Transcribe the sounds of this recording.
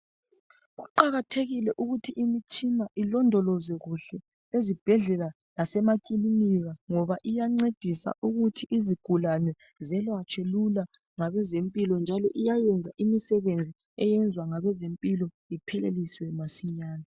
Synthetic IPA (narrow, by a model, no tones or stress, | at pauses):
ɣuǃaɣatʰeɣilɛʔuɣutʰiʔimit͡ʃʼinaʔilɔndʱɔlɔzɛɣuɬɛ | lezib̥ʱɛɮɛla | lasɛmakʼiliniɣaŋɔβaʔijaŋ͡ǀed̥ʱisa̰ʔuɣutʰiʔiziɡ̥ʱulanɛ | zɛlwat͡ʃʰʼɛlula | ŋaβɛzempʼilɔnd͡ʒʱalɔʔijajɛnd͡zʱaʔimisɛβend͡zʱi | ɛjɛnd͡zʱwaŋaβɛzempʼilɔ | ipʰɛleliswɛmasiɲaːna